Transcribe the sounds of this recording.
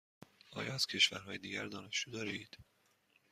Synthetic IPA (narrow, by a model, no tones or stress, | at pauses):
ʔɒ̰ːjɒːæz̥cʰe̞ʃvæ̰ɾɦɒːjed̪iːɟæɾd̪ɒːne̞ʃd͡ʒuːd̪ɒːɾeiːd̪̥